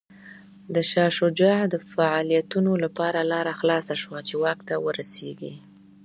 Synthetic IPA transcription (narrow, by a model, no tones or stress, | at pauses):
d̪əʃɑʃod͡ʒaʕd̪əfaʕɑlijat̪unolapɑɾalɑɾaxlɑsaʃwat͡ʃewɑkt̪awəɾaseɡi